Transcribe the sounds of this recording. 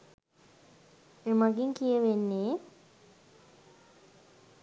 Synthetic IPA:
emaɡiŋkijəʋenːeː

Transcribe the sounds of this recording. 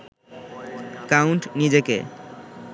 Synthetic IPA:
kawɳʈnid͡ʑekḛ

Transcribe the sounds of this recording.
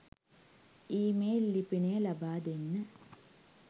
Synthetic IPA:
iːmeːlːipineːlɐbaːd̪enːɨ

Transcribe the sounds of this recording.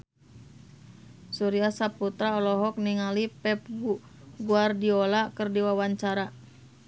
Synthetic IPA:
suɾiasaput̪ɾaɔlɔɦɔk̚niŋalipɛp̚ɡuɡuardiolakɨrdiwawaɲt͡ʃaɾa

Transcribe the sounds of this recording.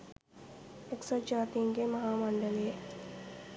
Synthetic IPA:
eksəd͡ʒaːt̪ijəŋɡemɐɦaːmɐɳɖəleje

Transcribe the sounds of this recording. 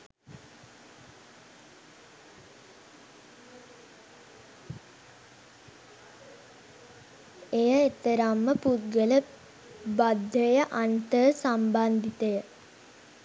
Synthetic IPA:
ejəet̪əɾamːəput̪ɡələ | bad̪ʱːəjəʔant̪əsamband̪it̪əjə

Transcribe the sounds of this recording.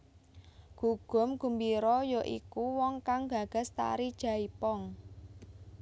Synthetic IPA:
ɡ̥uɡ̥ɔ̤mɡ̥umbiɾɔjɔʔikuwɔŋkaŋɡa̤ɡ̥a̤st̪a̰ɾid̥ʒ̥a̤ipɔŋ

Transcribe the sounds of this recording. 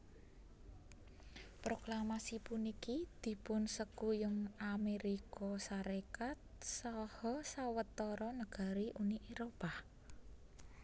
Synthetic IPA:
pɾoklamasipunikid̪̥i̤pʊnsəkujʊŋameɾikɔsaɾekat̪̚sɔhɔsawət̪ɔɾɔnəɡ̥a̤ɾiʔuniʔeɾoba

